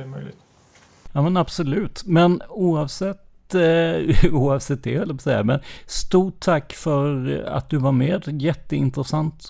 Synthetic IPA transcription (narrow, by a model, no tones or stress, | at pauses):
mœ̰jlɪ̰t̪ | jɑːmɛnab̥sɔlʉ̟ːt̪mɛnuːɑvsɛt̪ | uːɑvsɛt̪̚d̪ɛhɛlːəpɔsɛjːamɛnst̪uːʈʰːakːfœɾa̰t̪̚d̪ɵvaɾmeːd̪jɛt̪ːəɪ̰nt̪ɾəsant̪